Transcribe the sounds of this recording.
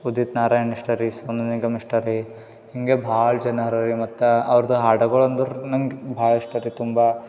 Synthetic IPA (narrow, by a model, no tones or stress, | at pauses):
ud̪it̪naːɾaːjɐniʂʈɐɾisʋɐnuniɡɐmiʂʈɐɾi | hiŋɡebʱaːɭd͡ʒɐnɐɦɐɾɐɾimɐt̪ːɐɐʋɐɾɐd̪ɐɦaːɖɐɡɐɭond̪uɾnɐŋɡebʱaːɭiʂʈɐɾit̪umba